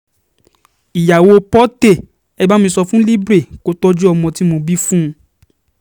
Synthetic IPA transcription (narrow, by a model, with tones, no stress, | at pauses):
i˨ja˨wo˧pɔ˦te˦˨ | ɛ˧ba˦mĩ˧sɔ˧fũ˦li˦bɾe˦˨ko˨˦tɔ˦d͡ʒu˦ɔ˧mɔ̃˧ti˦mo˧bi˦fũ˦˧˦